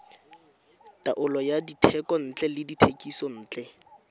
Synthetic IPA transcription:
tʼaʔʊlɔjaditʰɛkʼɔn̩t͡ɬʼɛlɪditʰekʼisɔn̩ːt͡ɬʼɛ

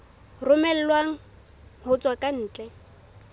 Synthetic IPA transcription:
rʊmɛl̩lwaŋ̩ | hʊt͡sʼwakʼan̩ːt͡ɬʼɛ

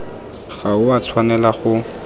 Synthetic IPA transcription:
χaʊat͡sʰwanɛlaχʊ

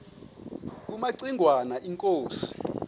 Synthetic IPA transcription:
k̬umaǀiŋʱwanaʔiŋkʼoːsi̥

